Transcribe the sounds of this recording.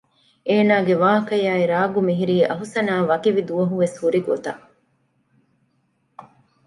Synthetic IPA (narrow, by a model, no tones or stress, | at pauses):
eːnaːɡeʋaːɦɐkɐjaːiɾaːɡumiɦiɾiːʔɐɦusɐnaːʋɐkiʋid̪uʋɐɦuʋeshuɾiɡot̪ɐ